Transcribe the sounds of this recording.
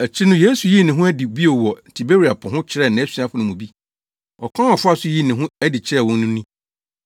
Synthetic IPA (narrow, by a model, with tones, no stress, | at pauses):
æ˨t͡ɕʰi˦nʊ̃˦je˦su˨ji˦˨nɪ̃˨ɦʊ̃˦æ˦dɪ˨bi˦o˨wɔ˨n̩˨tʰi˨be˦ɾi˨a˨pʰʊ̃˨ɦʊ̃˦t͡ɕʰɪ˦ɾɛ˦˨nã˨æ˦si˨a˦fʊ˨˦nʊ̃˨mũ˨bi˦ | ɔ˨kʰã˦ɔ˨fʊ˦a˦sʊ˦ji˦nɪ̃˨ɦʊ̃˦æ˦dɪ˨t͡ɕʰɪ˦ɛ˦˨wɔ̃˦n˦nʊ̃˦nĩ˦